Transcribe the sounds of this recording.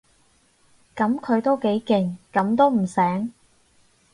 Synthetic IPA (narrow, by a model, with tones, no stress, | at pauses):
kɐ˨˧˥mkʰɵ˨˧ɥt̪o˥wke˨˥jkɪ˨˧ŋkɐ˨˥mt̪o˥wm̩˨˩sɛː˨˥ŋ